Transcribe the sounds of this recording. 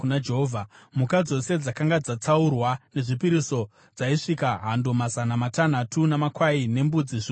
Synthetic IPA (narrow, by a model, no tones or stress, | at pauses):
unad͡ʒeɦovʱamukad͡zo̞se̞d͡zakaŋɡad͡zat͡saurwane̞ʐipiɾiso̞ | d͡zaiʂikaɦandomazanamatan̤atʰunamakwaine̞mbud͡ziʐi